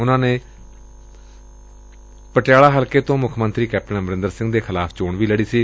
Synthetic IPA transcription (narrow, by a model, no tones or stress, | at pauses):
ʊnãːneː | pəʈɪjaːlaːɦəlkeːt̪õːmʊkʰmənt̪ɾiːkɛːp̚ʈənmɾɪ̃nd̪əɾsɪ̃ŋɡd̪eːkʰɪlaːpʰt͡ʃoːɳʋiːləɽiːsiː